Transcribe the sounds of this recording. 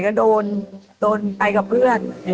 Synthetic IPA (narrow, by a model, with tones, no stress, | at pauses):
jkɔ˦˥doː˧ndoː˧npa˧jka˨˩p̚ʰɯ˥˩ən